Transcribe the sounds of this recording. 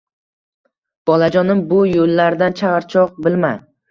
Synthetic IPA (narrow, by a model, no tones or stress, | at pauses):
b̥ɒlad͡ʒɒnɪmbʊjolːaɾd̪ant͡ʃʰaʁɑɾt͡ʃʰɒq̚bɪlma